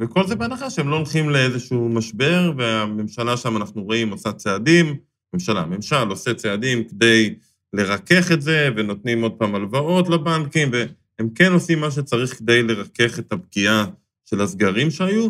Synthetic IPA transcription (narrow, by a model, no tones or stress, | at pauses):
veko̞lzebeanaχaʃeemlolχimleezeʃumaʃbe̞ʁveame̞mʃalaʃamanaχnuʁoimosat͡seadim | memʃala̰me̞mʃalo̞se̞t͡seadimked̪e̞j | le̞ʁake̞χe̞tze̞veno̞t̪nimo̞d̪̚paːmalvao̞tlabankimve | emke̞no̞simːaʃ̬et͡saʁiχked̪e̞jle̞ʁake̞χethab̚ɡia | ʃe̞lazɡaʁimʃeaju